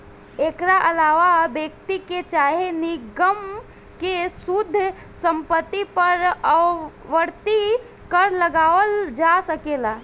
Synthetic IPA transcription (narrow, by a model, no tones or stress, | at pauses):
eːkɾaʔɐlaːʋabeːkt̪iket͡ʃaːɦeniɡəm | kesud̪ʱː | sə̃mpət̪ːipəɾəʋəɾt̪i | kəɾləɡaːʋəld͡ʒasəkeːlaː